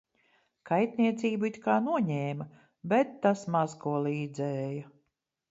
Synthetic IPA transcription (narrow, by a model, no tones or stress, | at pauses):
kajt̪niɛt̪siːbuit̪kaːnuɔɲɛːmɐ | bɛt̪ːasmazkuɔlˠiːd̪zɛːjɐ